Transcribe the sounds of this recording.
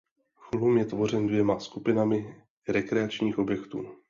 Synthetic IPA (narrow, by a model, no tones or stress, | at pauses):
xlumjɛt̪vo̞r̝ɛndvjɛmaskupɪnamɪ | ɾɛkɾɛat͡ʃɲiːxʔo̞bjɛkt̪ṵː